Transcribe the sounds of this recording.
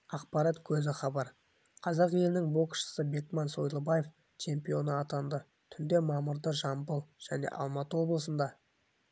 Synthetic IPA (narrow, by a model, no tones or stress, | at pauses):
ɑq̚pɑɾɑt̪kʲʰɵzɪχɑbɑɾ | qʰɑzɑqje̞lɪnɪŋbo̞ksʃə̥səbe̞kmɑnso̞jlˠəbɑjef | t͡ʃʰe̞mpijo̞nəɑt̪ɑnd̪ə | t̪ʰʏnd̪e̞mɑməɾd̪əʒɑmbəlˠʒ̥æne̞̰ʔɑ̰lˠmɑt̪əwo̞blˠəsənd̪ɑ